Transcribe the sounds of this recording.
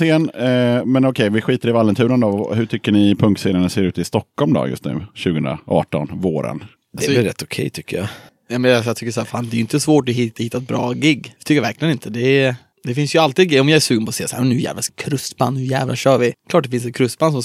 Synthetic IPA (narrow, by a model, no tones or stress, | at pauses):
seːnmɛnɔkʰɛjvɪɧiːt̪aɾɪvalːənt̪ʰʉ̟ːɾənd̪ɔɦɵʈʰʏkːəɳɪpʰɵŋkt̪seːnənəseːɾʉ̟ːt̪ɪst̪ɔkːɔlmd̪ɔ̰jɵ̰st̪nʉ̟ːɕʉɡəɵnɾa̰ʔɑ̰ːʈɔ̰nvoːɾə̰n | d̪ɛɪɾɛt̪ːʊkʰɛ̰jt̪ʰʏkːəjɑ̰ | jɑmɛnasjɑt̪ʰʏkːəʂæːɾfaːnd̪ɛjʏnt̪əsvoːʈɔhɪt̪ːhɪt̪ːaɛt̪̚bɾɑ̰ːɡɪɡːt̪ʰʏkːjavæɾklɪɡənɪnt̪əd̪ɛ | d̪̥ɛfɪnsjɵalt̪iːd̪ɡɛjɔmjɑːɛʂʉːɡənpʰɔsḛːsæːɾmnːʉːjæ̰ːvlaskʰɾɵst̪ba̰nːhɵjæ̰ːvlʔa̰ɕœːɾvɪk̪ʰɑːʈ̚d̪ɛfɪns̬ɛt̪̚kʰɾɵst̪bansɔms